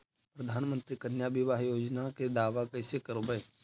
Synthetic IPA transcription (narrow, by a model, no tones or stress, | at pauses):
pɾəd̪ʱaːnmə̃nt̪ɾikɐnjabɪʋaːɦjoːd͡ʒnaked̪aːʋakɐɪsekəɾobəe